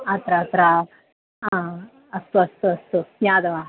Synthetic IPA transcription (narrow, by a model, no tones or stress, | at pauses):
ɐt̪ɾat̪ɾa | a | ɐst̪uɐst̪uɐst̪ujaːd̪ɐʋa